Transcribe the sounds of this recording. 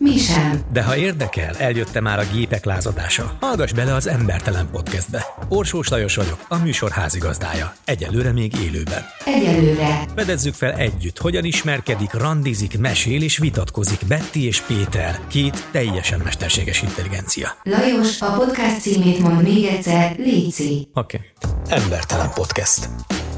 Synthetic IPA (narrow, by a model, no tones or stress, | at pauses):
miʃɛmd̪ɛɦɒeːrd̪ɛkɛ̰lɛljøt̪ːɛmaːɾɒɡeːpɛklaːzɒd̪a̰ːʃɒ̰hɒlɡɒʒbɛlɛɒzɛmbɛrt̪ɛlɛmpo̞t̪kɛzd̪̚bɛo̞rʃoːʃlɒjo̞ʃʋɒɟo̞kɒmyːʃo̞rha̰ːziɡɒzd̪a̰ːjɒɛɟɛ̰nlːøːɾɛmeːɡḛːlø̰ːbɛ̰nɛɟɛlːøːɾɛfɛd̪ɛzːykfɛlɛɟːyt̪ho̞ɟɒniʃmɛrkɛd̪ikrɒnd̪izikmɛʃeːleːʃʋit̪ɒt̪ko̞zikbɛt̪ːieːʃpeːt̪ɛrkeːt̪ːɛjːɛʃɛmːɛʃt̪ɛrʃḛːɡɛʃint̪ɛliɡɛnt̪sijɒ̰lɒjo̞ʃɒpo̞t̪kast̪siːmeːt̪mo̞nd̪meːɡɛt̪sɛrliːt̪siokeːɛmbɛ̰rt̪ɛlɛ̰mpo̞t̪kɛst̪